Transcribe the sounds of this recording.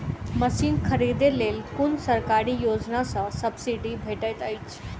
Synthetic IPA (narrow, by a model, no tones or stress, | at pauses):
mɐsiːnkʰɐɾiːd̪eleːlkʊnsɐɾkaːɾijoːd͡ʒnasãsɐbsiɖibʱeːʈəjt̪ait͡ʃʰ